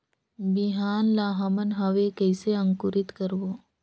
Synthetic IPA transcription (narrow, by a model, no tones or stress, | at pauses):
bɪɦaːnlaːɦɐmənɦɐʋekɛːseɐ̃ŋkʊɾɪt̪kəɾʋoː